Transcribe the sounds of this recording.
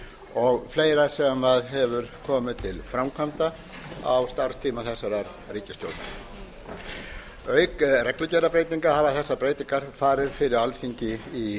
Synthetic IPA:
ɔɣfleːjɾasɛmaðɦɛvʏɾkʰɔːmɪðt̪ʰɪlfɾawmkʰvant̪a | a̰wst̪ar̥st̪ʰiːmaθɛsːaɾaɾ | riːcɪst̪jo̰wlt̪na | œɥkrɛklʏcɛɾlapɾeːjt̪iŋkahaːvaθɛsːapɾeːjt̪iŋkaɾ̥faːɾɪɾfɪɾɪɾalfiɲcɪi

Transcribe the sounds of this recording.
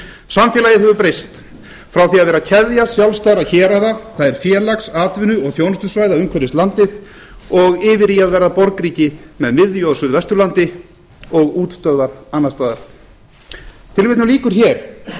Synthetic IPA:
samfjɛlajɪɦɛvʏpɾejst̪ | fɾawθiaðvɛːɾacʰɛðjasjawlst̪aðɾaðçɛːɾaðaθaðɛɾ̥fjɛːlaksaːt̪vɪnːʏɔɣθjownʏst̪ʏsvaːjðaʏmkʰvɛɾɪst̪lant̪ɪð | ɔɣɪːvɪɾiaðvɛɾðapɔɾkɾiːcɪmɛðmɪðjoːðsʏðvɛst̪ʏɾlant̪ɪ | ɔɣuːt̪st̪œðvaɾanːast̪aːðaɾ̥ | t̪ʰɪlvɪht̪nʏliːkʏɾ̥çɛːɾ̥

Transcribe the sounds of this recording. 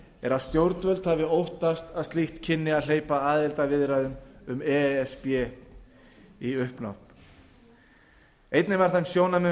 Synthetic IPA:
ɛɾaðst̪jowɾt̪vœlt̪havɪowht̪ast̪aðst̪liht̪cʰɪnːɪaðleːjpaaːðɪlt̪avɪðɾaðʏmʏmɛɛspjɛ | iʏhpnɔ̰hp | ejt̪nɪvaɾ̥θamsjoːwnamɛ

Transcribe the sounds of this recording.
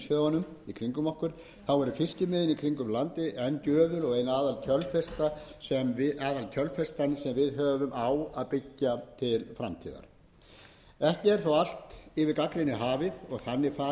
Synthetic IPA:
sjœðanːʏmikʰɾiŋkʏmɔhkʏɾ̥ | θawɛɾʏfɪscɪmɪːðɪnikʰɾiŋkʏmlant̪ɪʔɛnːcœːðʏlɔɣejnaːðalcʰœlfɛst̪asɛmvɪaːðalcʰœlfɛst̪ansɛmvɪðɦœːvʏmʔawaðpɪcːat̪ʰɪlfɾamt̪ʰḭːða̰ɾ̥ | ɛhcɪɛɾ̥θawal̥t̪ɪvɪðkaklɪnɪɦaːvɪðɔɣθanːɪfa

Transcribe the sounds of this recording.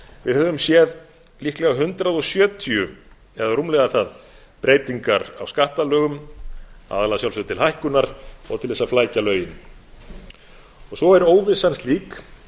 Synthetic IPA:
vɪ̰ðθɛt̪ːʏmsjɛð | lihklɛɣaɦʏnt̪ɾaðɔsjœːt̪ʰiʏ | ɛðarumlɛɣaθað | pɾeːjt̪iŋkaɾa̰wskaht̪alœːɣʏm | a̰ːðalasawlsfʏt̪ʰɪlhajhkʏnaɾ̥ɔ̰ɣt̪ʰɪlθɛsːaflaːjcalœːɥjɪn | ɔɣsɔɛɾoːwvɪsanst̪liːk

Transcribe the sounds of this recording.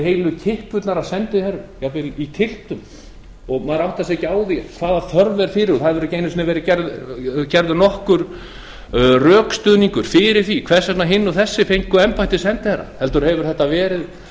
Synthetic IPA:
hejlʏcʰɪhpʏt̪naɾasɛnt̪ɪhɛɾjawvɪlit̪ʰɪl̥t̪ʏm | ɔɣmaðɾawht̪asɛcaːwðikʰv̥aːðaθœɾvɛɾ̥fɪɾɪɾɔθaðvɛɾʏceːjnʏsɪnavɛːɾɪcɛɾðcɛɾðʏnɔhkʏɾ | rœːkst̪ʏːðniŋkʏɾ̥fɪɾɪɾ̥θikʰvɛr̥sat̪naɦɪnːɔθɛsːɪfejŋkʏɛmpajt̪ɪsɛnt̪ɪhɛɾːa̰hɛlt̪ʏɾhɛvʏɾ̥ɛht̪ːavɛːɾɪð

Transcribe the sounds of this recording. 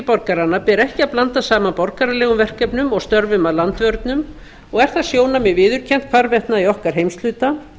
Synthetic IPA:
ɪpɔɾkaɾanːapɛːɾɛhcɪaðplant̪asaːmanpɔɾkaɾalɛːɣʏmvɛr̥kɛpnʏmɔɣst̪œɾvʏmaðlant̪vœɾt̪nʏm | ɔɣɛɾ̥θaðsjoːwnamɛvɪːðʏɾ̥cʰɛn̥t̪kʰvaɾvɛht̪naiɔhkaɾ̥ɦejmst̪lʏːt̪a

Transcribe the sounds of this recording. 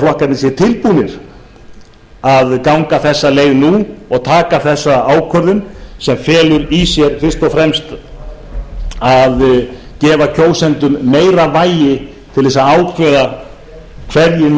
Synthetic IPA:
flɔhkat̪nɪs̬jɛt̪ʰɪlpunɪɾ̥ | aðkawŋkaθɛsːaleːjɣnuɔɣt̪ʰaːkaθɛsːaaːwkʰœɾðʏnsɛmfɛːlʏɾisjɛɾ̥fɪr̥st̪ɔfɾɛmst̪ | að | cɛːvacʰoːwsɛnt̪ʏmːeːjɾavaːjɪ | t̪ʰɪlðɛsaaːwkʰvɛːða | kʰvɛɾjɪn

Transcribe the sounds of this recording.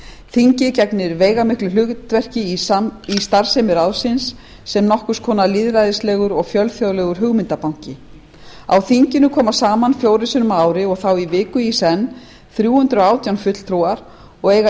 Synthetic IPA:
θiɲcɪcɛknɪɾveːjɣamɪhklʏlʏɣvɛr̥cɪiist̪aɾ̥sejmɪɾawsɪnsː | ɛmnɔhkʏskʰɔːnaliðɾajðɪslɛːɣʏɾɔɣfjœlfjowlɛɣʏɾ̥ɦʏɣmɪnt̪apawɲ̥cɪ | a̰wθiɲcɪnʏkʰɔːmasaːmanfjoːwɾɪsʏnʏmaːwɾɪɔɣθawivɪːkʏisɛnː | θɾjuːhʏnt̪ɾʏɔaːwt̪jawnfʏt̪l̥t̪ʰɾuwaɾ̥ | ɔɣeːjɣa

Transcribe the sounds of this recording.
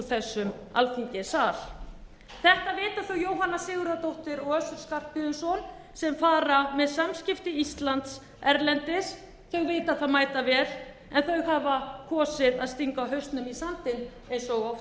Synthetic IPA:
θɛsːʏm | a̰lfiɲcɪsaːɾ̥ | θɛht̪avɪːt̪aθœwjowɦanːasɪːɣʏɾat̪owht̪ɪɾɔɣœsʏɾ̥skar̥pɪðʏnsɔn | sɛmfaːɾamɛðsamscɪft̪ɪist̪lant̪s | ɛɾlɛnt̪ɪs | θœɥɣveːt̪aθaðmaːjt̪avɛːɾ | ɛnθœɥwɣɦaːvakʰɔːsɪɾaðst̪iŋkawɦœɥst̪nʏmisant̪ɪn | ensɔɣɔf

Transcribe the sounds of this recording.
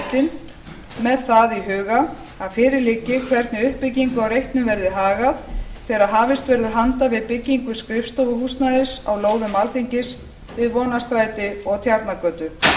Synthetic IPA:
t̪ɪn | mɛðθaðiɦʏːɣa | aðfɪːɾɪliːcɪkʰvɛɾt̪nɪʏhpːɪcːiŋkʏawɾejht̪nʏmvɛɾðɪɦaːɣaðθɛːɾaðɦaːvɪst̪vɛɾðʏɾ̥ɦant̪avɪðpɪcːiŋkʏskɾɪfst̪owvʏhust̪naðɪsa̰wloːwðʏmːalθiɲcɪs | vɪðvɔːnast̪ɾaːjt̪ɪɔɣt̪ʰjaɾt̪nakœːt̪ʏ

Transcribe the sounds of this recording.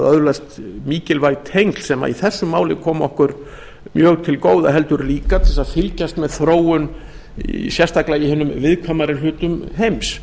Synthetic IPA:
ðœðlast̪miːcɪlvajt̪ʰejŋkl̥sɛma̰ḭθɛsːʏmːaːwlɪkʰɔːmɔhkʏɾ | mjœːɣt̪ʰɪlkoːwða̰ɦɛl̪t̪ʏɾliːkat̪ʰɪɛlsaðfɪlcast̪mɛðθɾoːwʏn | ḭsjɛst̪ʰaklaihɪnːʏmvɪðkʰvamaɾɪlʏːt̪ʏmɦejms

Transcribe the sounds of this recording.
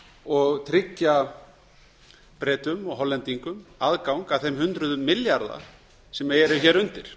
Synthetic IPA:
ɔɣt̪ʰɾɪcːa | pɾɛːt̪ʏmɔɣɦɔlːɛnt̪iŋkʏmaðkawŋkaθejmɦʏnt̪ɾʏðʏmːɪljaɾða̰ | sɛmɛɾʏçɛːɾʏnt̪ɪɾ̥

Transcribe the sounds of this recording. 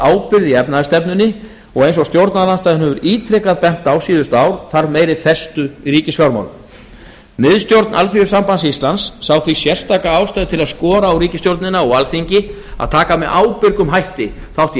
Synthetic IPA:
aːwpɪɾðiɛpnaɪst̪ɛpnʏnːɪ | ɔɣejns̬ɔst̪jowɾt̪naðlanst̪ajðɪnhɛvʏɾiːt̪ʰɾɛkaðpɛn̥t̪awsiːðʏst̪aːwɾ̥θaɾmeːjɾɪθɛst̪ʏiɾiːcɪsfjawɾma̰wlʏ̰ | mɪðst̪jowɾt̪nʔa̰lfijʏ̥ɾsampansist̪lansːaːwθisjɛr̥st̪aːkaaːwst̪ajðɪt̪ʰɪlaðskɔːɾaːwɾiːcɪst̪jowɾt̪nɪnaɔɣalθiɲcɪ | a̰ðt̪ʰaːkamɛðʔaːwpɪɾkʏmɦajht̪ɪ | θawht̪

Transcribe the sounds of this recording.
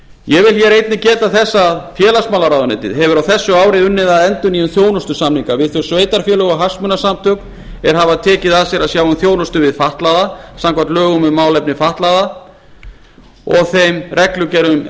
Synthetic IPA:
jɛvɪlçɛɾejt̪nɪcɛːt̪aθɛsːaðfjɛːlasmawlaɾawðʏnḛjt̪ɪ̰ðɦɛvʏɾawθɛsːʏaːwɾɪʏnːɪðaðɛnt̪ʏniʏnθjoːwnʏst̪ʏsamniŋkavɪðθœwsveːjt̪aɾ̥fjɛlœɣaɦḁsmʏnasamt̪ʰœkn | ɛɾ̥ɦavaðt̪ʰɛːcɪðaðsjɛɾaðsjaːwʏmθjoːwnʏst̪ʏvɪðfaht̪laðasamkvḁt̪lœːɣʏmɛðmaːwlɛpnɪfaht̪laða | ɔɣθejmrʔɛklʏcɛɾʏm

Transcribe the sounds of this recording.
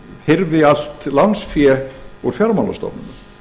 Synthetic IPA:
hɪɾvɪal̥t̪lansfjɛɔɣfjaɾmana̰st̪ɔ̰pnʏna

